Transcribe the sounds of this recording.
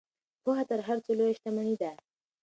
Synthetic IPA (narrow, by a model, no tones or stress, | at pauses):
poɦat̪aɾɦaɾt͡solojeʃt̪amanid̪a